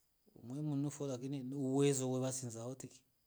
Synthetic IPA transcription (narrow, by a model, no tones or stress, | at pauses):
ṵmwemunufolak̬ininuwezɔweβasinzaotiki̥